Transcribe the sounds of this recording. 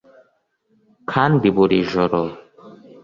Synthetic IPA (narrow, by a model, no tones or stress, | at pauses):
kʰanbibɔɾiʒɔɾɔ